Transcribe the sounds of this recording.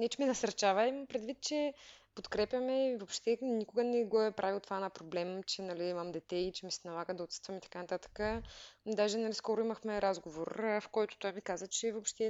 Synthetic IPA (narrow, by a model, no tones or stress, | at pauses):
nɛt͡ʃɛmɛnɐsɐɾt͡ʃavəimɐmpɾɛd̪vit̪̚t͡ʃɛpot̪kɾɛpjɐmɛivopʃt̪ɛnikʊɡənɛɡoɛpɾʔavilˠt̪ovanapɾoblɛmt͡ʃɛnɐliimɐmd̪ɛt̪ɛit͡ʃɛmisɛnɐlˠaɡəd̪ɐot̪sə̥t̪vɐmit̪ɐ̥kanɐt̪at̪ə̥kəd̪aʒɛnɐliskɔɾʊiməxmɛɾazɡovoɾfkɔjt̪ʊ̥t̪oavikazvət͡ʃɛvopʃt̪ɛ